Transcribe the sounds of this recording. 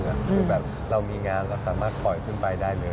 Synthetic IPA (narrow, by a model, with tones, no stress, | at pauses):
ʔa˨˩kʰɯː˧˩bɛː˨˩p̚ | ɾa˧wmiː˧ŋaː˧nɾa˧wsaː˩˦maː˥˩t̪̚pʰɔ˨˩jkʰɯ˥˩npa˧jdaː˥˩jlɤː˧